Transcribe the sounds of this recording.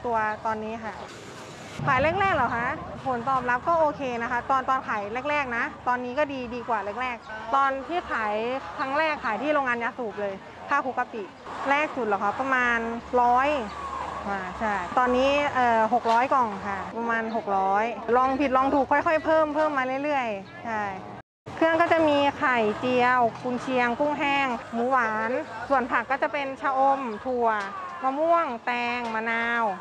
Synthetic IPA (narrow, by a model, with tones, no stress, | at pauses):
t̪u˧ɐt̪ɔː˧nːiː˦˥kʰa˥˩ | kʰaː˨˩˦jlɛː˥˩k̚ɾɛː˥˩k̚laː˨˩wkʰa˦˥ʔpʰo˩˦nt̪ɔː˨˩p̚la˨˦˥p̚kɔː˥˩ʔoː˧kʰeː˧na˦˥kʰa˦˥t̪ɔː˧nt̪ɔː˧nkʰaː˩˦jlɛː˥˩k̚ɾɛː˥˩k̚na˦˥t̪ɔː˧nːiː˦˥kɔː˥˩diː˧diː˧kwaː˨˩lɛː˦˥˩k̚ɾɛː˥˩k̚t̪ɔː˧nt̪ʰiː˥˩kʰaː˩˦jkʰɾa˦˥ŋɾɛː˥˩kʰːaː˩˦jt̪ʰiː˥˩ɾoː˧ŋaː˧njaː˧˩suː˨˩p̚lɤː˧j | tʰaː˥˩kʰuː˧˩ka˨˧˩p̚t̪i˨˩lɛː˥˩k̚su˨˩t̪̚lɛː˨˩wkʰa˦˥˩pa˧maː˧nɾɔː˦˥j | waː˧˩t͡ɕʰa˥˩jt̪ɔː˧nːiː˦˥ʔɤː˨˩ɦo˨˩k̚ɾɔː˦˥jkɔː˨˩ŋkʰa˧˩pa˧maː˧nɦo˨˩k̚ɾɔː˦˥jlɔː˧ŋpʰi˨˩t̪̚lɔː˧ŋt̪ʰuː˨˩kʰːɔ˥˩jkʰɔ˥˩jpʰɤː˥˩mpʰɤː˥˩mːaː˧lɯ˥˩ə˨jlɯ˥˩əj | t͡ɕʰa˥˩j | kʰɯ˥˩əŋkɔː˥˩t͡ɕa˨˩miː˧kʰa˨˩jt͡ɕi˧əwkʰu˧nt͡ɕʰi˧əŋku˥˩ŋɦɛː˧˥˩ŋmuː˧˦waː˨˧˥nsu˨˩ənpʰa˨˩kːɔː˥˩t͡ɕa˨˩pe˧nt͡ɕʰaː˧wʔo˧mt̪ʰu˨˩ɐmaː˧mu˥˩˨əŋt̪ɛː˧ŋma˧naː˧w